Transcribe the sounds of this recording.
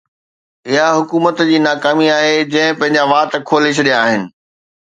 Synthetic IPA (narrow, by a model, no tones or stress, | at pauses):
ɪɦaɦʊkuːmət̪d͡ʑiːnaːkaːmiaːɦed͡ʑɐ̃ɦɪ̃pɐ̃ɦɪ̃ɲd͡ʑaʋaːt̪kʰoːlɪʃ̬ɗijaːɦɪnɪ̆